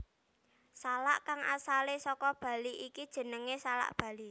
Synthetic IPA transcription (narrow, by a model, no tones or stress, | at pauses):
sala̰ʔkaŋa̰salesɔkɔb̥a̤liʔikid̥ʒ̥ə̤nəŋesala̰ʔb̥ä̤li